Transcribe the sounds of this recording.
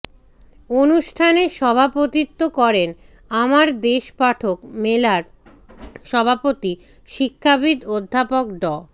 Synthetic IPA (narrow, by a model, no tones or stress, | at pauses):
onuʃʈʰaneʃɔbʱapot̪it̪ːokɔɾen | amaɾd̪eʃpaʈʰokmelaɾ | ʃɔbʱapot̪i | ʃikʰːabid̪od̪ʱːapok̚ɖɔ